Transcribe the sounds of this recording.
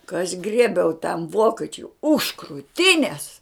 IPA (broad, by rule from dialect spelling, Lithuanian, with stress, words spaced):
kɐ ɐʃ ˈɡrʲiɛbʲɛʊ tɐm ˈʋoːkʲɛt͡ʃʲʊɪ ʊʃ kruːˈtʲɪnʲeːs